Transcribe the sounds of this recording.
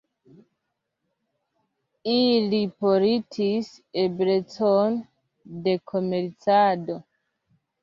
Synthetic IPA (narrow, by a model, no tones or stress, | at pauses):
ilipoɾitʰisebɾet͡son | de̞kʰome̞ɾt͡sado̞